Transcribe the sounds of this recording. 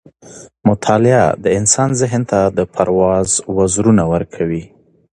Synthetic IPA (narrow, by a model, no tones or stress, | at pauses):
mʊt̪ʰɑlɪa̰d̪əɪnsɑnzɪɦnt̪ad̪əpʰaɾwɑzwazɾunawəɾkʰawi